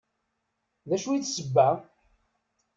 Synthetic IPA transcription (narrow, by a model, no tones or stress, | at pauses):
ðæʃuiθsəbːæ